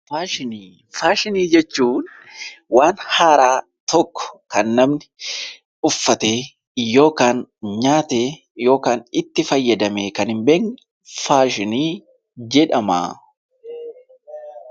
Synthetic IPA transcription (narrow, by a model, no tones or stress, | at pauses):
faːʃɪniː | faːʃɪniːd͡ʒɛt͡ʃːuːn | waːnhaːɾaː | t̪ɔkːɔ̥kɐnːɐmnɪ | ʊfːɐt̪eː | jo̞ːkaːnɲaːt̪eː | jo̞ːkaːnɪt̪ːɪfɐjːɐd̪ɐmeːkɐnɪmbeːŋ | faːʃɪniː | d͡ʒɛᶑɐma̰ː